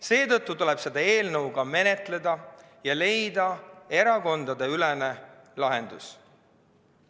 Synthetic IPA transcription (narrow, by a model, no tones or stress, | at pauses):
se̞ːt̪ɤt̪ˑːut̪ule̞b̥se̞d̪ɑe̞ːlnɤwɡ̥ɑme̞ne̞t̪le̞d̪ɑ | jɑle̞jd̪ɑe̞ɾɑko̞nd̪̥ɑd̪e̞ylene | lɑɦe̞nd̪us